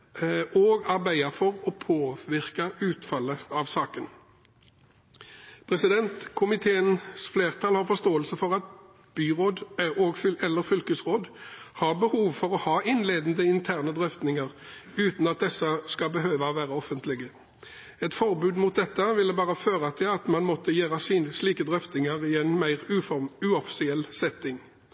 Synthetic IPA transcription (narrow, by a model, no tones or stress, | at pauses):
oːɡɑʁbæɪəfɔʁɔpʰoːʋɪʁkɑʉːt̪fɑlːəɑʋsɑːkən | pʰʁɛsɪd̪ɛnt̪kʰʊmɪt̪ʰeːənsfleːʁt̪ʰɑːlhɑʁfɔst̪oːəlsəfɔʁɑt̪̚ | b̥yːʁoːd̪oːɡfɛlːəʁfʏlkəsʁoːd̪hɑʁbəhuːʋfɔʁɔhɑːʔɪnleːd̪n̩d̪əɪnt̪ʰæːʁnəd̪ʁœft̪nɪŋəʁʉːt̪n̩ɑt̪̚d̪ɛsːəskɑbəɦøːʋəʋæːʁəɔfənt̪lɪɡə | ɛt̪fɔʁbʉːd̪mʊt̪̚d̪ɛt̪ːəʋɪlːəbɑːʁəføːʁət̪ʰɪlɑt̪mɑnmɔt̪ːəjæːʁəsiːnəsliːkəd̪ʁœft̪nɪŋəʁɪɛnmæɪʁʉʉːɔfɪ̥sɪɛlsɛt̪ːɪŋ